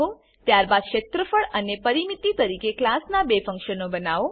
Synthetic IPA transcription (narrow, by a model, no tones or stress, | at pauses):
o | t̪jaɾbad̪kʃet̪ɾəfəɭənepəɾimit̪ːit̪əɾikeklasnabefə̃ŋkʃənobənaʋo